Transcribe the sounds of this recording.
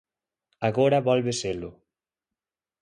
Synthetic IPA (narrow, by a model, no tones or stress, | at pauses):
aɣoɾaβɔlβeselʊ